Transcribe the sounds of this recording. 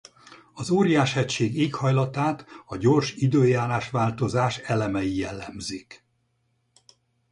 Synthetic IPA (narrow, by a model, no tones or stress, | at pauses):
ɒzoːɾijaːʃhɛcʃeːɡeːkhɒjlɒt̪aːt̪ɒɟo̞rʃid̪øːjaːlaːʃʋaːlt̪o̞zaːʃɛlɛmɛijɛlːɛmzik